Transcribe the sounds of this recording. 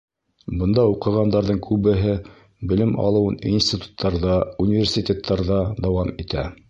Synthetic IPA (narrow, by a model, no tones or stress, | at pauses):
bɤ̆nd̪ɑuqɤ̆ʁɑnd̪ɑɾðɤŋkʰʉβɘ̆ɦɘ | bɘ̆lɘmʔɑ̰lˠɤ̆wɤninsʲt̪ʲit̪u̥t̪ʰːɑɾðɑunʲivʲersʲit̪ʲet̪ʰːɑɾðɑd̪ɑwɑmit̪æ